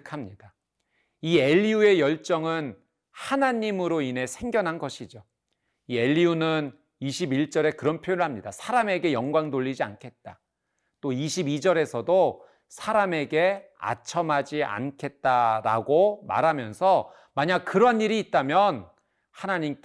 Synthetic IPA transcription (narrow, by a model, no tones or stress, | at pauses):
kʰamɲida | ie̞ʎːiue̞jʌɭt͡ɕ͈ʌŋɯn | hanaɲimɯɾoinɦe̞sʰe̞ŋɡjʌnɦanɡʌɕʰid͡ʑo | ie̞ʎːiunɯn | iɕʰibiɭt͡ɕ͈ʌɾe̞kɯɾʌnpʰjojɾɯɭɦamɲidasʰaɾame̞ɡe̞jʌŋɡwaŋdoʎːid͡ʑia̰nkʰe̞t̚t͈a | t͈oiɕʰibid͡ʑʌɾe̞sʰʌdo | sʰaɾame̞ɡe̞a̰t͡ɕʰʌmad͡ʑiʔa̰nkʰe̞t̚t͈aɾa̰ɡoma̰ɾɦamjʌnsʰʌ | maɲak̚kɯɾʌaniɾiːt̚t͈amjʌn | hanaɲimk